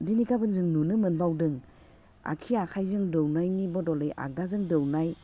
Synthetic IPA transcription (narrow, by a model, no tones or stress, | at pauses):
dinikabɯnzɯŋnunɯmɯnbawdɯŋ | a̰kʰiakʰajzɯŋdɔwnajnibɔdɔlɯjʔa̰k̚dazɯŋdɯwnaj